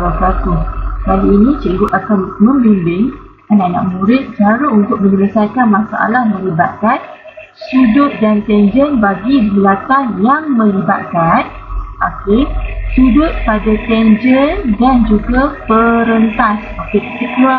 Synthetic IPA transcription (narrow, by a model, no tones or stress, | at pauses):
akat̪ukaliːnĩt͡ʃeɡʊʔakanmə̃mbimbɪŋ | ananã̰ʔmũɾɪt̪̚d͡ʒaɾəunt̪ʊk̚məɲələsajkanmãsaʔa̰lahmə̃libat̪̚kan | sudʊt̪̚dant̪ɛnd͡ʒənbaɡibilat̪anjaŋmə̃liba̰t̪̚kan | ʔa̰kɪsudʊt̪̚padat̪ɛnd͡ʒəndand͡ʒuɡapəɾənt̪asakɪt̪əsikua